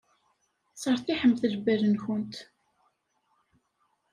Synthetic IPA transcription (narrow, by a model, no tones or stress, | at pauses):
sˤəɾˤθiħəmːθəlbæɾənçʊnt̪